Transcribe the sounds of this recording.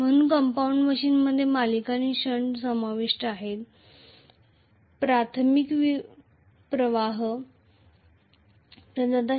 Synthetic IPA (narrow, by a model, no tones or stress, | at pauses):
mənunkəmpauɳɖməɕiːnməd̪ʱːjemalikaniːɕəɳɖsəmaʋiʂʈaɦet̪ | pɾat̪ʰmikʋi | pɾəʋaɦ | təd͡zad̪a